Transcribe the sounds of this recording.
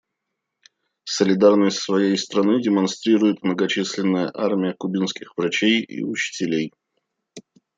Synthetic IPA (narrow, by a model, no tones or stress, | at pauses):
səlʲɪd̪arnəsʲtʲsvɐjejst̪ɾɐnɨdʲɪmɐnst̪ɾʲiɾʊjɪt̪mnəɡɐt͡ɕisʲlʲɪnːəjəʔarmʲɪjəkʊbʲinskʲɪxvɾɐt͡ɕejḭʊt͡ɕɪ̥tʲɪlʲej